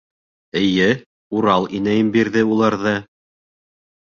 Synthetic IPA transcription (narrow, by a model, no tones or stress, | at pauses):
ɘ̆jɘ | uɾɑlˠinæjɘmbiɾðɘulˠɑɾðɤ